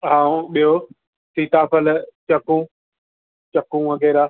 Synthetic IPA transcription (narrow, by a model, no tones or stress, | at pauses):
ɦãːũɓijo | siːt̪aːpəlt͡ɕɐkũː | t͡ɕɐkũːʋɐɡɛːɾaː